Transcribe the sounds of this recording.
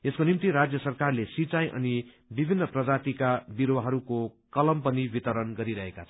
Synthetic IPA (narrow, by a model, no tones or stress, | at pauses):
eskonimt̪iɾad͡zjʌsʌrkarlesit͡saj̃ʔʌ̰ni | bibʱinːʌprʌd͡zat̪ikabiɾowaɦʌɾukokʌlʌmpʌnibit̪ʌɾʌnɡʌɾiɾʌɦekat͡sʰ